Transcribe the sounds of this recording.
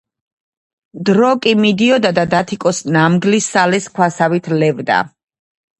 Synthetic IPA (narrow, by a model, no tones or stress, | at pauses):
d̪ɾɔkʼimid̪iɔd̪ad̪ad̪at̪ʰikʼɔsnamɡlisːalɛskʰwasavit̪ʰlɛvd̪a̰